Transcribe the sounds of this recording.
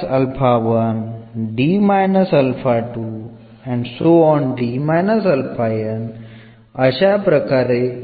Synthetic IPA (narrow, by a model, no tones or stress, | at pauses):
ɐlpʰaːʋɐnɖiːmajnɐsɐlpʰaːʈu | ɛ̃ɳɖsoːɔ̃ːnɖiːmajnɐsɐlpʰaːjɐn | ɐʃapɾɐkaːɾe